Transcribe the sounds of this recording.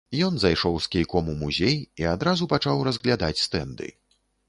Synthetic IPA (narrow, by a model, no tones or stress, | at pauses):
jɔnzajʂɔwskʲejkɔmumuzʲejiad̪ɾazupat͡ʂawrɐzɣlʲad̪at͡sʲst̪ɛnd̪ɨ̰